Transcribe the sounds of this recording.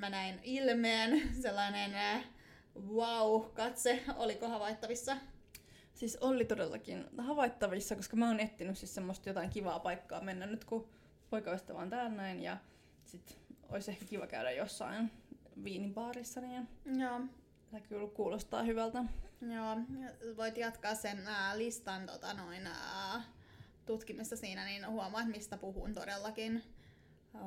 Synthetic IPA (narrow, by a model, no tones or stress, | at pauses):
mænæinilmeːnselːɑinen | ʋɑuhkɑt̪seolikohɑʋɑit̪ːɑʋisːɑ | sisolːit̪odelːɑ̰kinhɑʋɑit̪ːɑʋisːɑkoskɑmæoːnet̪ːinyssissemːost̪jot̪ɑiŋkiʋɑːpɑikːɑ̰ːmenːænnyt̪ku | poikɑoist̪ːɑʋɑ̰nt̪æːlnæinjɑ̰ | sit̪o̰isehkækiʋɑkæydæ̰josːɑ̰inʋiːnipɑːrisːɑnijoː | t̪ækylkkuːlost̪ɑ̰ːhyʋælt̪æjoːʋoit̪jɑt̪kɑːssenːlist̪ɑnt̪o̰t̪ɑnoin | t̪ut̪kimːisːɑsiːnæninhuɑmɑɑːt̪mist̪æpuhṵːnt̪odelːɑkin